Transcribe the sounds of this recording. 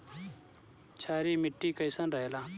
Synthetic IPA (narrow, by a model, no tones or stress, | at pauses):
t͡ʃʰaːɾiːmɪʈːiːkɐjsɐnɾɐɦjlaː